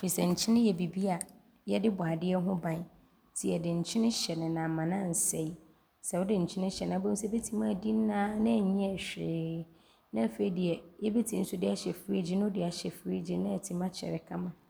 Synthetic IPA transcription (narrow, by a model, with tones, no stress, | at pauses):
fi˨sɛ˨ɲ̩˨t͡ɕʰɪ˦nɪ̃˦jɛ˨bi˨bi˦a˨ | jɛ˦dɪ˦bʊ˨a˨dɪ˦ɛ˦ɦʊ̃˦bã˨n | tʰi˨ɛ˨dɪ̃˨ɲ̩˨t͡ɕʰɪ̃˦nɪ̃˦ɕɛ˨nɪ̃˨nã˨mã˨nã˦˨n̩˨sɛ˦i˨ | sɛ˨wʊ˦dɪ˨ɲ̩˨t͡ɕʰɪ˦nɪ̃˦ɕɛ˨nã˨bɛ̃˦sɛ˦be˦tʰi˦mã˦˨dĩ˦n˦nã˦nã˦˨ɲĩ˦ɛ˦˨ɕᶣɾeː˦ | nã˦˨fe˨i˨dɪ˨ɛ˨jɛ˦be˦tʰĩ˨n̩˦sʊ˦dɪ˦a˨ɕɛ˨fɾi˦d͡ʑɪ˦nʊ̃˦dɪ˨˦a˨ɕɛ˨fɾi˦d͡ʑi˦nã˦ɛ˨tʰi˦mã˦t͡ɕʰɛ̰˨ɾɪ˨kʰã˦mã˨